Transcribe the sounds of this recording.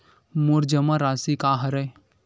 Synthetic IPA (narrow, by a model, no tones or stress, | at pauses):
mʊɾd͡ʒɐmaɾaːsikaːɦɐɾɐ